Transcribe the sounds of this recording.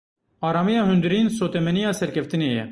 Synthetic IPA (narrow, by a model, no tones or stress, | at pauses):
ɑːɾɑːmijɑːɦynd̪ɨɾiːnsoːt̪ɛmɛnijɑːsɛɾkʰɛft̪ineːjɛ